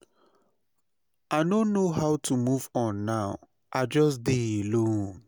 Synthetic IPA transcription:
anõnːohaʊtʰumuvɔ̃nːaʊ | ʔaɪd͡ʒɔsdeelõn

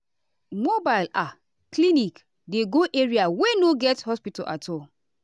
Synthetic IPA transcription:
mobaɪla | klinik | deɡoʔeɹiawenoɡɛthɔspitɔ̰ʔa̰tʰɔl

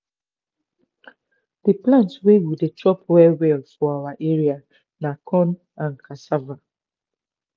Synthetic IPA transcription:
d̥iplãntswewidetʰɹɔpwɛwɛlfɔawaʔeɹia | nakʰɔ̃n | ãnkasava

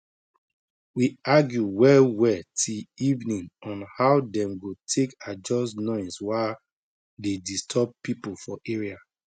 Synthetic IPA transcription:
wiaɡjuwɛlwɛtʰiivnĩŋɔ̃nhaʊdɛ̃mɡotʰekad͡ʒɔsnɔ̃ɪ̃nswa | dedistʰɔb̚pipufɔʔeɹia

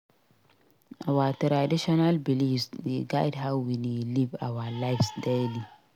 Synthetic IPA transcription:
awatɾadiʃɔnalbilisiɡajdɦawiniliva̰walajfsdeli

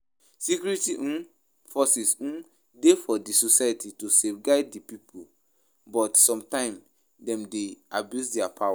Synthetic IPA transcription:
sikjuɹitiʔũn | fɔsisũn | defɔdisosajatitusevɡaɪddipipʰul | bɔtsɔ̃mtãɪ̃m | dɛ̃mdeabjusdɛapʰawa

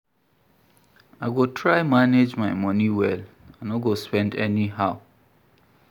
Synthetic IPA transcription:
ajɡotʰɹajmaned͡ʒmajmʌniwɛl | anɔɡospɛ̃ndɛniɦaʊ

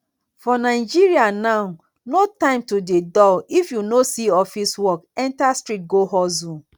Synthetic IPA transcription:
fɔnaɪd͡ʒiɹianaʊ | notãɪ̃mtudedɔifjunosiɔfiswɔkɛ̃ntastɹit̚ɡoɦɔzũ

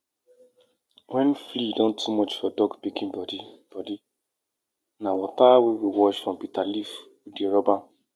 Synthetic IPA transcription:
wɛ̃nflidɔ̃ntʰːumɔt͡ʃfɔdɔɡpikĩnbɔdib̥ɔdi | nawɔtawewiwɔʃfɾɔ̃mpitalif | udeɾɔbã

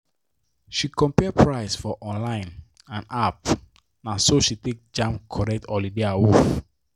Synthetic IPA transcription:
ʃikɔ̃mpɛapʰɹaɪsfɔʔɔ̃nlãɪ̃n | ãnap | nãsoʃitek̚d͡ʒãmkʰɔɹɛk̚tʰɔlideawof

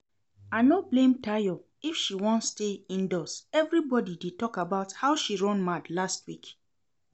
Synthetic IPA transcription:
anoblẽmtajɔ | ifʃiwɔ̃ntsteĩndɔsɛvɾibɔdidetɔkabaʊthaʊʃiɹɔ̃nmadlastwik

